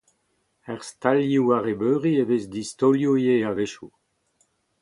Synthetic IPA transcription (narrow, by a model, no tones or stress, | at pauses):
ɛʁst̪aljuaʁebøːʁievezd̪ist̪oljoijeaveʃu